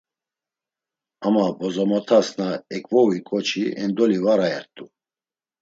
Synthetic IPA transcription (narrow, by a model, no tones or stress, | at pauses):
amabɔzɔmɔt̪ʰasnaɛkʼvɔwikʼɔt͡ʃʰiɛnd̪ɔlivaɾaɛɾt̪ʼu